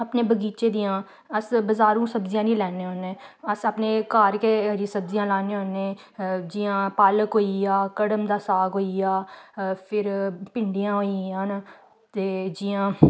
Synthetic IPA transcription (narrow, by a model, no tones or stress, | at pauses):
əpneːbəɡiːt͡ʃeːd̪ijãː | əsbəzaːɾũːsəbzijãːnĩːlɛːneːɦoːnẽːəsəpneːkaːɾkeɾisəbzijãːlaːnẽːɦoːnẽː | d͡ʒɪjãːpaːləkɦoːijaːkəɽəmd̪aːsaːɡɦoːijaːpʰɪɾpɪɳɖijãːɦoːiãːn | t̪eːd͡ʒɪjãː